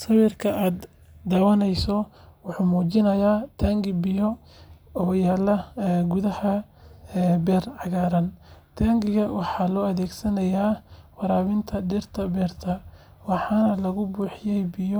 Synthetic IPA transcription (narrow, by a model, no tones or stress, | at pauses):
sɐwirkʰɐʔaːd̪ | d̪ɐwɐnɛjsɔ | wɑħuːmuːt͡ʃɪnɐjaːt̪ʰaːŋɡɪbɪjɔ | ɔːjaːlɐɡʊðɐhɐ | bɛːrʕɑɣaːɾɐnt̪ʰaːŋɡɪɣɐwʔɑħɑːlɔːɐðɛːɡsɐnɐjaːwɑɾaːβɪnt̪ʰɐdɪrt̪ʰɐbɛːrt̪ʰɐ | wɑħɑːnɐlɐɣʊbuːħɪjɛjbɪjɔ